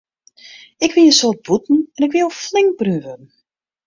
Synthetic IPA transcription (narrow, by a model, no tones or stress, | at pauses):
ɪkʋɪləsoːrt̚b̥utn̩ɛnɪkʋɪloflɪŋk̚bryvən